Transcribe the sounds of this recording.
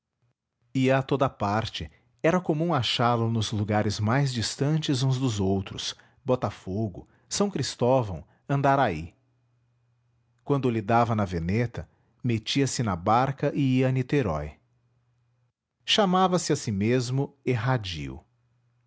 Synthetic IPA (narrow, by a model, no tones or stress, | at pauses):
iat̪od̪ɐpaɾt͡ʃɪ | ɛɾɐkomũaʃaɾlʊnʊzluɡaɾɪzmajzd͡ʒist̪ɐ̃t͡ʃɪzũzd̪ʊzowt̪ɾʊs | bɔt̪afoɡʊ̰ | sɐ̃w̃kɾist̪ɔvɐ̰̃w̃ | ɐ̃nd̪aɾaḭ | kwɐ̃nd̪ʊlɪd̪avɐnɐvenet̪ɐ | met͡ʃiɐsɪnɐbaɾkɐʔɪiɐnit̪eɾɔ̰j | ʃamavɐsɪasimezmʊeɦad͡ʒḭw̰